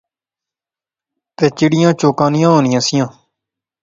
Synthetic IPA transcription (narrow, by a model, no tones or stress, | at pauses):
t̪eːt͡ʃɪɽɪjãːt͡ʃoːkãːnɪjãːɦoːnɪjãːsɪjãː